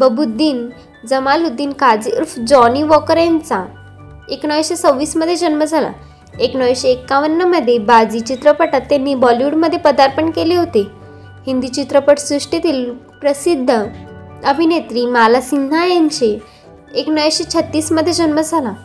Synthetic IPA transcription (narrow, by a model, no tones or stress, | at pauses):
bəbud̪ːiːn | d͡zəmalud̪ːiːnkad͡ziuɾfd͡ʑɔniʋɔkɾẽnt͡sa | eknəʋeɕet͡səʋːiːsməd̪ʱːjed͡ʑənməd͡zʱala̰ | eknəʋeɕeːkːaʋənːəməd̪ʱːjebad͡ziːt͡ɕit̪ɾəpəʈat̪ːjanːiːbɔliʋuɽməd̪ʱːjepəd̪aɾpəɳkeleɦot̪e | hind̪iːt͡ɕit̪ɾəpəʈsɾuʂʈit̪iːlpɾəsid̪ʱːəəbʱinet̪ɾiːmalasinʱajaɲt͡ɕeː | knəʋeɕet͡ɕʰət̪ːiːsməd̪ʱjed͡ʑənməd͡zʱala